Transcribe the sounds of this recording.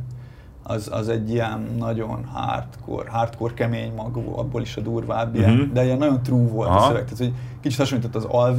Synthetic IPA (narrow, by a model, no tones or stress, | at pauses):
ɒzɒ̰zɛɟːijɛnːɒɟo̞nha̰ːrt̪kʰo̰rɦaːrt̪ko̞rkɛmeːɲmɒɡ̰bo̰ːliʃɒd̪uːrvaːbːiɛnd̪ɛjɛnːɒɟo̞nt̪ruːvo̞lt̪søvɛɡ̚t̪aːt̪oɟkit͡ʃit̪hɒʃoɲit̪ot̪ːɒzɒlv